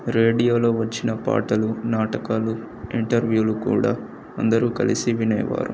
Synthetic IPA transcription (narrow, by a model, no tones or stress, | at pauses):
ɾe̞ːɖijo̞ːlo̞ːʋɐt͡ʃːinɐpa̰ːʈɐlunaːʈɐkaːlu | iɳʈɐɾʋjuːlukṵːɽaː | ɐnd̪ɐɾuːkɐ̰lḭsiʋinɐjɐ̰ʋa̰ːɾṵ